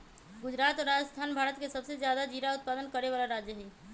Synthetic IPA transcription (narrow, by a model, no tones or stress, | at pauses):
ɡʊd͡ʒɾaːt̪ɔɾad͡ʒəst̪ʰaːnbʱaːɾət̪kesəbsed͡ʒjad̪ad͡ʒiɾaʊt̪̚pad̪ənkəɾeβalaɾad͡ʒjəɦɛ